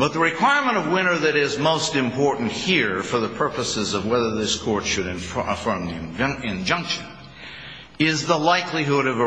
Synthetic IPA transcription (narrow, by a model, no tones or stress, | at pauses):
b̥ʌt̪̚ðəɹɨkʰw̥aɪɹmə̃ɾ̃ʌvwɪ̃ñə˞ðɨɾɪzmoʊstɨ̃mpʰɔɹʔn̩t̚hiɹfə˞ðəpʰɜ˞pəsɨzʌvwɛðə˞ðɪskʰɔɹtʃɨɾɨ̃nəfɜ̃˞mðĩɪ̃nd͡ʒʌ̃ŋkʃɨ̃n | ɪzðəlaɪkliɦʊɾʌvə